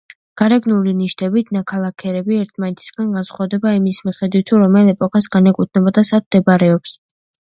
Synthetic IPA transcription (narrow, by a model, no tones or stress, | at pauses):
ɡ̥aɾɛɡnuliniʃt̪ʼɛbit̪ʰnakʰalˠakʰɛɾɛbiɛɾt̪ʰmanɛt̪ʰi̥sɡanɡansχwavd̪ɛbaimismiχɛd̪wit̪ʰːuɾɔmɛlɛpʼɔkʰʼasɡanɛkʼut̪̚ʰnɛbɔd̪asad̪̚md̪ɛbaɾɛɔps